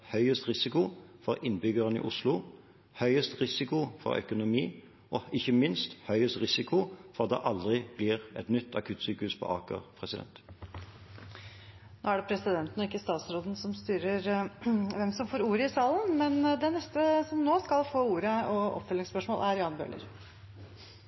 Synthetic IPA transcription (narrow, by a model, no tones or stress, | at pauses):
hœʏəst̪ʁɪsɪkʊfɔɾɪnbʏɡəʁənḭʔʊslʊ | hœʏəst̪ʁɪsɪkʊfɔ̰ɾœ̰kʊnʊmiː | ʔɔɪçəmɪnst̪hœʏəst̪ʁɪsɪkʰʊfɔʁɑt̪̚d̪ɛ̰ʔɑld̪ʁɪb̥lɪʁɛt̪nʏt̪ʰːɑkʰʉːt̪syːkəhʉspʰɔ̰ʔɑːkə̰pʰʁɛsɪd̪ɛ̰nt̪ | no̰ːæɖɛpʰɾɛsɪd̪ɛnt̪ənɔɪkːəst̪ɑːt̪sɾoːd̪n̩sɔmst̪yːɾəɾʋɛmsɔmfoːɾuːɾəɪsɑːlənmɛnd̪ɛnɛst̪əsɔmnoːskɑlfoːuːɾəɔɔ̰pfœlɪŋspœʂmoːlʔæɾjɑːnbø̰ːlʔə̰ɾ